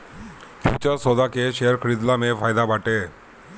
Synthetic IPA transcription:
pṵːt͡ʃasɔd̪akeʃeɦəɾkʰəɾɪd̪lamẽfʰaːjd̪abaːʈe

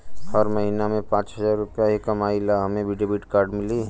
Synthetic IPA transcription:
həɾməɦinamẽpãːt͡ʃɦəzaːɾːʊpjaɦikəmaːilaɦəmẽbʱiɖebiʈkaːɾɖmɪli

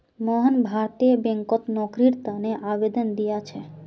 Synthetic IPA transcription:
mɔɦənbʱaɾt̪iebeŋkot̪nɔkɾiɾt̪aneʔabed̪ond̪ijat͡ɕʰe

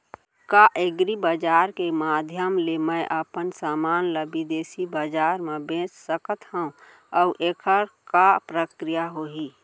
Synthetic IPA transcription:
kaʔeɡɾibəd͡ʒaːɾkemaːd̪ʱjəmleməjʔəpənsaːmaːnləbid̪eːsibəd͡ʒaːɾmẽbẽːt͡ʃsəkət̪ɦəũ | əʊʔekʰəɾkapɾəkɾijaɦoɦi

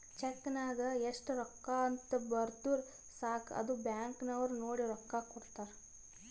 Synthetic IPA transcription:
t͡ʃekːnaːd̪ɐeʂʈɾɔkːaɐnt̪ɐbɐɾt̪uɾ | saːkʰɐ̰d̪ubjaːŋknɐʋɐɾunoːɽiɾɔkːakɔɽt̪aːɾ

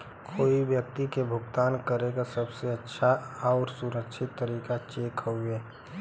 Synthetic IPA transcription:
kʰoːiʋjək̚t̪ikebʱʊɡt̪aːnkəɾeɡasəbseətːʃʰaɔːɾsʊɾəkʃʰɪt̪ːəɾiːkat͡ʃeːkɦoeː

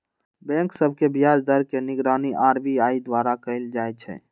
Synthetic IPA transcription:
bɛ̃ŋksəbʱkebʱijad͡ʒd̪əɾkeniɡɾaniʔaɾbiaid̪waɾakəɪld͡ʒajt͡ʃʰɛ̰

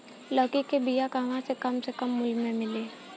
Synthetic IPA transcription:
ləːkikebijakaʋãsekɐmsekɐmːʊlmẽmɪleː

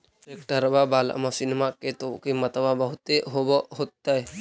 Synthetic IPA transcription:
ekʈəɾbabaːl̰mãsinmaket̪okemɐt̪əbabəɦʊt̪eɦoboɦot̪ːae

